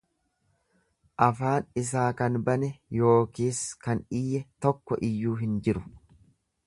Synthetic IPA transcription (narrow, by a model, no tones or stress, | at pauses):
ʔɐfaːnɪs̬aːkɐnbɐnɛjo̞ːkiːskɐnɪjːɛt̪ɔkːɔ̰ʔɪjːuːɦɪnd͡ʒɪɾʊ